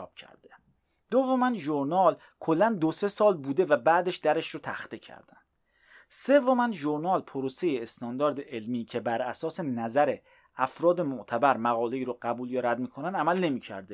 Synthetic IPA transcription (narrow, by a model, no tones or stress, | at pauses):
b̥̚cʰæ̰ɾd̪e | d̪̥ovːomænʒoɾnɒːl | kʰo̞lːænd̪ose̞sɒːlbuːd̪e̞væbæːd̪eʃd̪æɾeʃɾot̪ʰæ̰xt̪ecʰæ̰ɾd̪̥æ̰nd̥ | se̞vːomænʒoɾnɒːlpʰoɾose̞jeːst̪ʰɒːnd̪ɒːɾd̪eʔelmiːcʰe̞bæɾæsɒːse̞næzæɾe̞ | æfɾɒːd̪e̞moʔt̪ʰæbæɾmæɣɒːle̞iːɾoɢæbuːljɒɾæd̪miːkʰonænd̪æmælne̞miːcʰæ̰ɾd̪e